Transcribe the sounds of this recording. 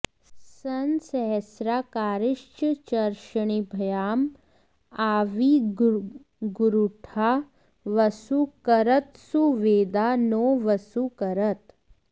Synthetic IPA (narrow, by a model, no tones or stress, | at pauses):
sɐnsɛɦɛsɾaːkaːɾɪʃt͡ʃət͡ʃɐɾʃəɽ̃ibʱɐjaːm | aːʋi | ɡuɾuʈʰaː | ʋɐsukɐɾət̪suʋeːd̪aːnoːʋɐsukɐɾət̪